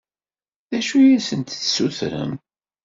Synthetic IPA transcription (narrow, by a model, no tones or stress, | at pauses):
ðæʃujæsənt̪θsuθɾə̰m